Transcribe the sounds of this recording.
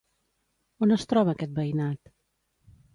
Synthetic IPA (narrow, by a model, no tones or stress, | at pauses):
onəst̪ɾɔβəːkɛt̪̚bəinat̪